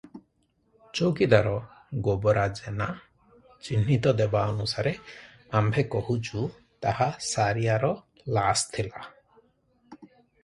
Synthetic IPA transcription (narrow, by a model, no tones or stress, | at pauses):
t͡ʃowkid̪aɾɔ | ɡobɔɾad͡ʒena | t͡ʃinːit̪ɔd̪ebaɔnusaɾe | ambʱekɔhut͡ʃu | t̪ahasaɾijaɾɔ | last̪ʰila